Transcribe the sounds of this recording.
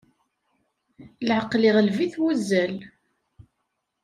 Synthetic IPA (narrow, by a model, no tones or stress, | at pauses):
lʕəqːlɪʁəlviθwæzːæl